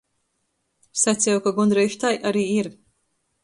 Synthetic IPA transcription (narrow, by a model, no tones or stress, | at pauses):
sat̪sʲjawkaɡund̪ɾɛjʃt̪ajʔaɾiːiɾ